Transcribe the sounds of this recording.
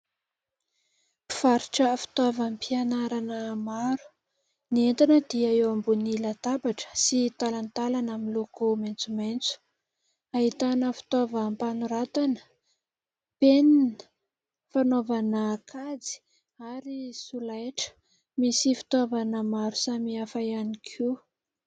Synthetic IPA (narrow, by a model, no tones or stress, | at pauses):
i̥faɾuʈ͡ʂəfi̥t̪avampianaɾanəmaɾu̥ | nient̪anəd̪iaewambunilat̪abaʈ͡ʂə̥sit̪alant̪alanaminlokoment͡sument͡su̥ | aɦit̪anəfi̥t̪ovəmpanuɾat̪anə | peninə̥ | fanovanəkʰad͡zi̥ | aɾisulajʈ͡ʂə̥ | misifi̥t̪avanəmaɾu̥samiafajanikʰu